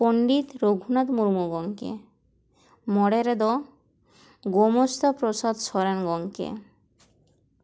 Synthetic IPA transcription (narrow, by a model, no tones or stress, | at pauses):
poɳɖit̪ɾoɡʱunat̪muɾmuɡɔŋkḛ | mɔɽeɾed̪ɔ | ɡomost̪apɾosad̪ʃɔɾenɡɔŋkḛ